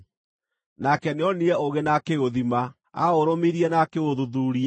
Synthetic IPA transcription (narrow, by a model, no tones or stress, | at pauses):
nakɛneɔniɛoɣenakeoðima | a̰oɾomiɾiɛnakeoðuðuɾia